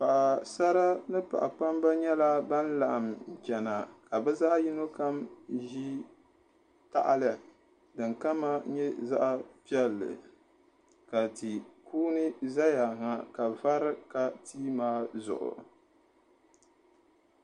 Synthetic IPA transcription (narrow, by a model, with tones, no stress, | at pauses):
pa˨ʔa˨sa˦ɾa˦nɨ˦pa̰˨ʔa˨k͡pa˦mba˦ɲɛ˦la˦ba˦n˦la˨ʔa˨m˨t͡ʃɛ˨na˨ka˨bɛ˦za˦ji˦no˦ka˦mʒi˦ | ta̰˦˨ʔa˨lɨ˨ | dɨ˨ŋka˦ma˦ɲɛ˦za˦ʔa˦pi˦ɛ˦lːɨ̰˨ | ka˨ti˨kuː˦nɨ˦za˦ja˨ŋa˨ka˨va˦ɾɨ˦ka˨tʰiː˦maː˦zʊ̰˨ʔʊ̰˨